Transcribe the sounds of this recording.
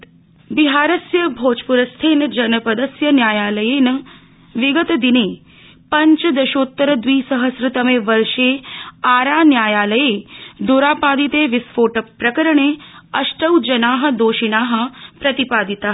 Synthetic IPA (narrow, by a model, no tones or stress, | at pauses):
biɦaːɾɐsjɐbʱoːt͡ʃpuɾɐst̪ʰeːnd͡ʒɐnɐpɐd̪ɐsjɐnjaːjaːlɐjeːnɐ | ʋiɡət̪d̪ineː | pɐɲt͡ʃd̪ɐʃoːt̪ːəɾəd̪ʋiːsɐɦəsɾɨt̪ɐmeːʋɐɾʃeːaːɾaːnjaːjaːləjeːd̪uɾaːpaːd̪it̪eːʋisfoːʈɐpɾɐkəɾəɳeːɐʃʈɐwd͡ʒɐnaːɦɐ̆d̪oːʃinaːɦɐ̆pɾɐt̪ipaːd̪it̪aː